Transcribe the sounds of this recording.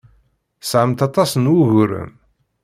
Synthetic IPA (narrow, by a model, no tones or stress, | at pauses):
sʕəmt̪ɑt̪ˤɑsənwuʝʊɾə̰m